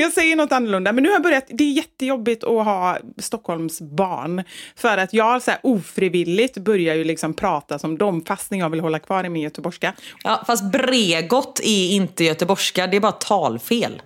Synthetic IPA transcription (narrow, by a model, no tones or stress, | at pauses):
jɑːɡsɛjːəɳɔt̪ːanːɵlɵnd̪amɛnːʉhajabœɾjat̪d̪ɛːɾjɛt̪ːəjɔbːɪt̪ʰɔɦɑːst̪ɔkʰːhɔlmsbɑ̰ːɳfœɾat̪jɑːɡalsæɾʔuːfɾiːvɪlːɪɡt̪bœɾjajɵlɪksɔmpʰɾɑːt̪asɔmd̪ɔmfast̪nɪnjɑːɡvɪlɦɔlːakʰvɑːɾɪmɪnjœt̪əbɔʂkajʔɑːfast̪̚bɾeːɡɔt̪ːɛɪnt̪əjœt̪əbɔʂkad̪ɛːɾbɑːɾat̪ʰɑːlfeːl